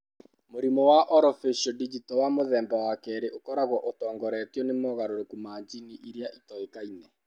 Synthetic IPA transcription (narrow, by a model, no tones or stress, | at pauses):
moɾimɔwaʔɔɾɔfeʃɔdid͡ʒitɔwamoðɛːmbawakɛɾeʔokɔɾaɣɔʔotɔːŋɡɔɾɛːtjɔnemɔɣaɾoɾekumaːɲd͡ʒiniʔiɾjaʔitɔekainɛ